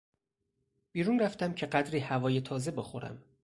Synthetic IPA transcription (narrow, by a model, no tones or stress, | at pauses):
b̥iːɾuːnræft̪æmcʰe̞ɢæd̪ɾiːhævɒːje̞t̪ʰɒːze̞be̞xo̞ɾæ̰m